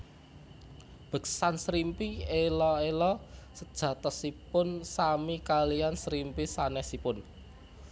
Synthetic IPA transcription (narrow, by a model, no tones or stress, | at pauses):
b̥ə̤ksansɾimpielɔelɔsəd̥ʒ̥ä̤t̪ɔhsipʊnsamikalijansɾimpisanɛhsipʊn